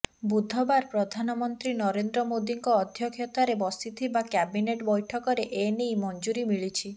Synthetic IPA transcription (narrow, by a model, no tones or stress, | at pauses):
bud̪ʱɔbaɾpɾɔd̪ʱanɔmɔnt̪ɾinɔɾend̪ɾɔmod̪iŋkɔːd̪ʱjɔkʰjɔt̪aɾebɔst̪it̪ʰibakabineʈbɔjʈʰɔkɔɾeʔenejmɔnd͡ʒuɾimiɭit͡ʃʰi